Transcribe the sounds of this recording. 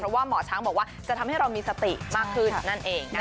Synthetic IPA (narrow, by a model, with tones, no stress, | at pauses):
pʰɾɔ˦˥waː˥˩mɔː˨˩t͡ɕʰaː˦˥ŋbɔː˨˩kwaː˥˩t͡ɕa˨˩t̪ʰmha˥˩ɾa˧wmiː˧sa˧t̪i˨˩maː˥˩kʰːɯ˥˩na˥˩nʔeː˧ŋna˦˥